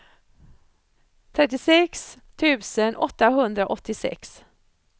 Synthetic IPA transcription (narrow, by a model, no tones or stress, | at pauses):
t̪ʰɾɛt̪̬ːɪsɛkst̪ʰʉ̟ːsənʔɔ̰t̪ːaɦɵnd̪ɾaʔɔt̪ːɪsɛ̰ks